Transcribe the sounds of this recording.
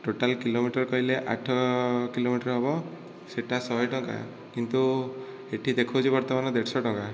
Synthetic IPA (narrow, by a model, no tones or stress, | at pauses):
ʈoʈalkilomiʈɔɾkɔɦileʔaʈʰɔkilomiʈɔɾɦɔbɔ | seʈasɔɦɔjʈɔŋka̰ | kint̪u | eʈʰid̪ekʰod͡ʒʰibɔɾt̪ɔmanɔd̪eʈsɔʈɔŋka